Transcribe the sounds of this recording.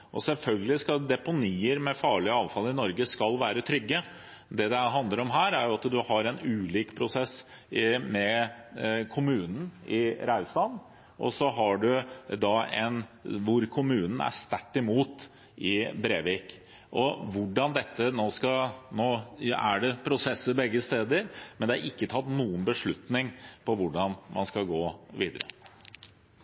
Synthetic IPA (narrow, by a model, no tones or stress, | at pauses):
ʔɔ̰sɛlfœlɡəlɪskɑd̪ɛpʊniːəɾmɛfɑːɭɪəɑːʋfɑlɪnɔɾɡəskɑlʋæːɾət̪ʰɾʏɡːə | d̪ɛd̪ɛɦɑnd̪əɾɔmɦæːɾæɾjʊɑt̪d̪ʉhɑɾɛnʉːliːkpʰɾʊsɛsː | mɛ | kʰʊmʉːnən̩ɪɾɑʉsɑn | ʔɔ̰sɔɦɑɖʉd̪ɑɛ̰nʋʊɾkʰʊmʉːnn̩æ̰ʂt̪æʈːɪmuːt̪ | ʔɪbɾeːʋiːk | ʔɔʋʊɖɑnd̪ɛt̪ːənoːskɑnoːæɖɛpʰɾʊsɛsːəɾbɛɡːəst̪eːd̪əɾmɛnd̪ɛæɾɪkːət̪ʰɑt̪ːnuːənbəʂɭʉt̪nɪŋpʰɔʋʊɖɑnmɑ̰nskɑɡoːʋiːd̪əɾə̰